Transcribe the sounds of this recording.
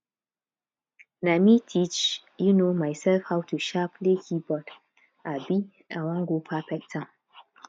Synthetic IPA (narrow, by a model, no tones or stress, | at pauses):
namitʰit͡ʃ | junomaɪsɛlfhawtuʃapʰlekʰibɔd | ʔabi | ãwãnɡopʰafɛk̚tʰːã